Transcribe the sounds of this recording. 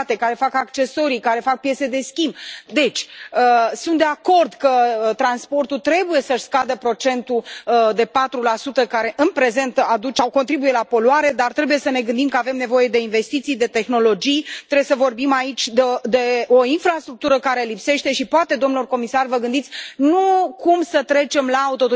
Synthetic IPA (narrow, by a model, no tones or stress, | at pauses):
t̪e̞kaɾe̞fakakt͡ʃe̞so̞ɾikaɾe̞fak̚pje̞t̪se̞d̪e̞skʲimbd̪e̞t͡ʃʲəsunt̪d̪e̞ako̞rd̪kət̪ɾanspo̞rt̪ut̪ɾe̞buje̞səʃʲskad̪əpɾo̞t͡ʃe̞nt̪ud̪e̞pat̪ɾulasut̪əkaɾe̞ʔɨnpɾe̞ze̞nt̪ad̪ut͡ʃawko̞nt̪ɾibujelapo̞luaɾe̞d̪art̪ɾe̞buje̞səne̞ɡɨnd̪imkəave̞mne̞vo̞je̞d̪e̞inve̞st̪it̪sijd̪e̞t̪e̞xno̞lo̞d͡ʒijt̪ɾeesəvo̞rbimait͡ʃʲd̪ed̪e̞o̞infɾast̪ɾuk̚t̪uɾəkaɾe̞lipse̞ʃt̪e̞ʃipoat̪e̞d̪omnlorko̞misarvəɡɨnd̪it̪sʲnukumsət̪ɾe̞t͡ʃe̞mlaut̪o̞t̪